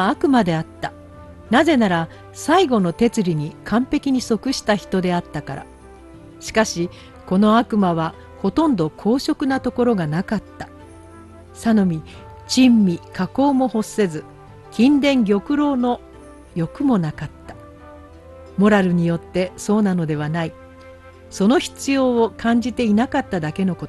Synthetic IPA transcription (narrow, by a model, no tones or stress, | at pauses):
akɯ̟mad̪e̞at̪ːa | naze̞naɾa | saiɡo̞no̞t̪e̞t͡sɨɾʲiɲ̟ikʰãmpe̞kʲiɲ̟iso̞kɯ̟ɕi̥t̪açi̥t̪o̞d̪e̞at̪ːakaɾa̰ | ɕi̥kaɕi | ko̞no̞akɯ̟maβa | ho̞t̪õ̞nd̪o̞kʰo̞ːɕo̞kɯ̟nat̪o̞ko̞ɾo̞ɡanakat̪ːḁ | sano̞mʲi | t͡ɕĩmːʲikako̞ːmo̞ho̞se̞zɨ | kʲĩnd̪ẽ̞ŋɡʲo̞kɯ̟ɾo̞ːno̞ | jo̞kɯ̟mo̞nakat̪ːḁ | mo̞ɾaɾɯ̟ɲ̟ijo̞t̪ːe̞so̞ːnano̞d̪e̞β̞anai | so̞no̞çi̥t͡sɨjo̞ːkãɲ̟d͡ʑit̪e̞inakat̪ːad̪ake̞no̞ko